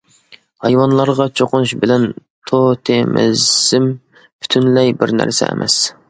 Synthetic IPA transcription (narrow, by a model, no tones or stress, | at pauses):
hɑjwɑnlˠɑɾʁɑt͡ʃʰoqʊnuʃbɪlɛnt̪ʰot̪ʰemɪ̰zɪm | bʰy̥t̪ʰynlɛjbɪɾnæ̰ɾsɛ̰ḛmʔɛ̰s